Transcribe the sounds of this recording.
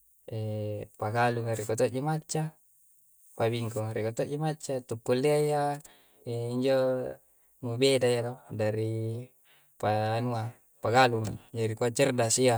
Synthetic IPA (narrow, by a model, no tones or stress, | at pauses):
epaɡaluŋaɾikot̪oʔd͡ʒomat͡ʃːa | pabiŋkoɾikot̪oʔd͡ʒomat͡ʃːat̪ukːulːiaia | eiɲd͡ʒo | ŋubedajat̪odaɾi | panua | paɡaluŋd͡ʒaɾikuat͡ʃərdasia